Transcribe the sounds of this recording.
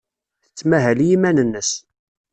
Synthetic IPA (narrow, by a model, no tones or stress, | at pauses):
θət͡sːmæɦæljimænənːəs